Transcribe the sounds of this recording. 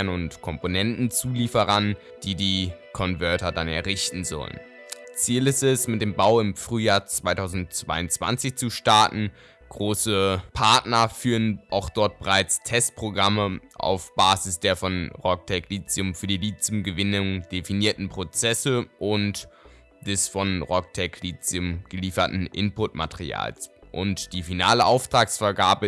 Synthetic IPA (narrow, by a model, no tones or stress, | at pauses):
nʊntkʰɔmponɛntn̩t͡suːliːfəʁɐn | d̥iːdiːkʰɔnvœɐtɐdanɛ̰ɐʁɪçtn̩zɔ̰lə̰n | t͡siːlɪstɛsmɪt̚d̥eːmbaʊɪmfʁ̥yːjaːɐt͡sv̥aɪtʰaʊzn̩tt͡sv̥a̰ɪʊnt͡sv̥a̰nt͡sɪçt͡suʃtaɐtn̩ | ɡ̥ʁoːsəpʰaɐtnɐfyːʁənʔaʊxd̥ɔɐt̚b̥əʁaɪt͡stʰɛst̚pʁ̥oɡʁaməʔa̰ʊfb̥aːzɪsd̥eːɐfɔnʁɔk̚tʰɛkliːt͡siʊmfyːɐdiːliːt͡siʊmɡəvɪnʊŋd̥efiniːɐtn̩pʁ̥ot͡sɛsəʔʊnt | d̥ɛsfɔnʁɔk̚tʰɛkʰliːt͡sʊmɡ̥əliːfɐtn̩ʔɪ̰npʊtmatʰəʁḭa̰ːlsʔʊ̰ntd̥iːfinaːləʔaʊftʁ̥aːksfɛɐɡaːɐbə